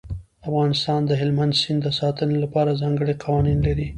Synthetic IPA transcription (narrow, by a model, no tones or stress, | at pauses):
afɣɑnɪst̪ɑnd̪əɦɪlmand̪sɪnd̪əsɑt̪ənelapɑɾazɑŋɡəɽeqɑwɑninlaɾi